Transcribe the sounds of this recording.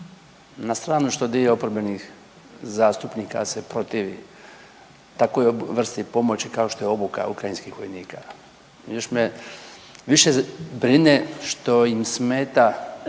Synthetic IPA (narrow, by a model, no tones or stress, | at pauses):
nast̪ɾaːnuʃt̪o̞d̪ijeopoɾbenix | zaːst̪upniːka̰sepɾo̞t̪iːʋḭ | t̪akojʋr̩st̪ipo̞mo̞t͡ɕikao̞ʃt̪o̞jo̞buka̰ukɾajinskixʋo̞jniːka | joʃme | ʋiʃebɾineʃt̪o̞imsmeːt̪a